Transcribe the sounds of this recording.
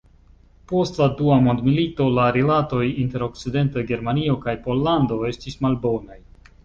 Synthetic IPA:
po̞stladuamo̞ndmilito̞laɾilato̞jinte̞ɾo̞k̚t͡side̞ntaɡe̞ɾmanio̞kajpo̞lːando̞e̞stismalbo̞naj

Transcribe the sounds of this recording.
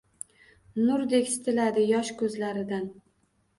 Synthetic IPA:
nʊɾd̪e̞kʲsɪ̥t̪ʰɪlad̪ɪjɒʃkʰɵzlaɾɪd̪an

